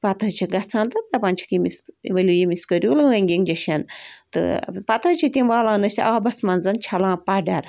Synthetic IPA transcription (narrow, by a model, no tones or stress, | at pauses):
pɐt̪ʰɐt͡ʃʰiɡɐt͡sʰãːnt̪ɨd̪ɐpaːnʲt͡ʃʰi̥kimisʋɐlʲujimiskəɾʲjuːlɐʋɐŋʲɡʲiŋd͡ʒɐʃɐnt̪ɨ̰pɐt̪ʰɐt͡ʃʰit̪ʲimʋaːlãːnɐsʲʔaːbɐsmɐnzɐnt͡ʃʰɐlãːpɐɖɐɾ